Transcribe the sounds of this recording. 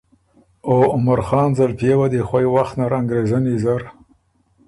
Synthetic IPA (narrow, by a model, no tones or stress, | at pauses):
oʊmaɾxɑːnzalpjewad̪exwajwaxt̪naɾaŋɡɾezanizaɾ